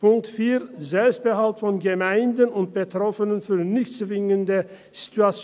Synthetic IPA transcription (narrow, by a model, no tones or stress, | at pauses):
pʊŋk̚tfiːɐzɛlpst̚b̥əɦaltfɔnɡəmaɪndənʊnt̚b̥ətʁ̥ɔfənənfyːɐnɪçt͡svɪŋəndə | z̥i̥tuat͡s